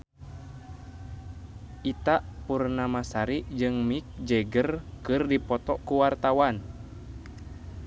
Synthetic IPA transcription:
ʔit̪aʔpurnamasaɾiʔd͡ʒɨŋmik̚d͡ʒɛɡərkɨrdipɔt̪ɔʔkuwart̪awan

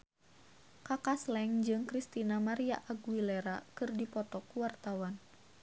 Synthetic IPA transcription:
kakaslɛŋd͡ʒɨŋkɾist̪inamaɾia̰ʔaɡuwilɛɾakɨrdipɔt̪ɔkuwart̪awan

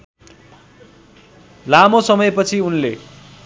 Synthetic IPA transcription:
lamosʌmʌjpʌt͡sʰiunle

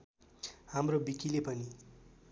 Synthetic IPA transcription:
ɦamrobikilepʌni

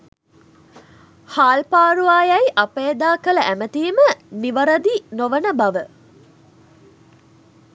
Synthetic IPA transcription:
haːlpaːɾuaːjɐjʔɐpeːd̪aːkələʔæmət̪iːməniʋɐɾɐd̪inoʋənəbɐʋə

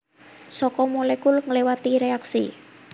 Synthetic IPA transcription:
sɔkɔmolekulŋəlewat̪iɾeaksi

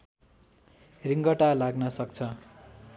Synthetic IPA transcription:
riŋɡʌʈalaɡnʌsʌkt͡sʰʌ

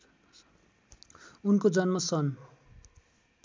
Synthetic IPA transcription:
unkod͡zʌnmʌsʌn

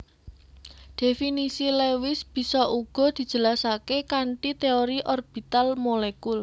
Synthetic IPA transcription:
d̪̥e̤finisilewɪsb̥i̤sɔʔuɡ̥ɔ̤d̪̥i̤d̥d͡ʒ̥ə̤lasakekaɳʈit̪eoɾiʔɔrb̥i̤t̪almolekul

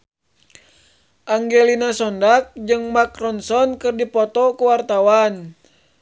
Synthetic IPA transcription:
ʔaŋɡɛlinasɔndak̚d͡ʒɨŋmakrɔnsɔnkɨrdipɔt̪ɔkuwart̪awan

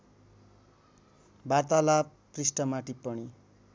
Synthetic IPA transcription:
bart̪ala | prisʈʌmaʈipʌɽ̃i

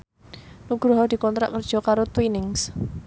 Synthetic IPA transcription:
nuɡ̥ɾuɦɔd̪i̤kɔnt̪ɾa̰ʔkərd̥ʒ̥ɔ̤kaɾot̪winɪŋs

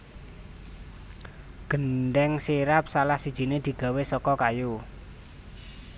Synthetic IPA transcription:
ɡ̥ənɖɛŋsiɾap̚salahsid̥ʒ̥i̤ned̪̥i̤ɡ̥a̤wesɔkɔkaju

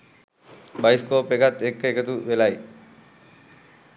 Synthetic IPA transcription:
bajskoːpekat̪ːekːəekət̪uʋelaj

